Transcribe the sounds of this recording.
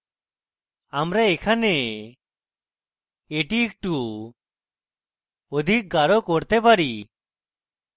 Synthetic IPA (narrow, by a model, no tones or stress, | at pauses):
amɾɛːkʰane | eʈik̚ʈu | ɔd̪ʱik̚ɡaɾɔkɔɾt̪ɛpaɾi